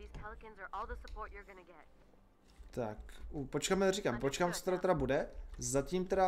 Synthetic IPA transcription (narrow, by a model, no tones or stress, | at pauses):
iz̥pʰɛlˠkɨ̃nzə˞ʔɔlˠðəsəpʰɔɹt͡ʃə˞ɡʌnɨɡɛt̚ | t̪akupot͡ʃkaːmɛriːkampot͡ʃkamt͡so̥t̪ɛɾat̪ɛɾabudɛzaciːmt̪ɛɾa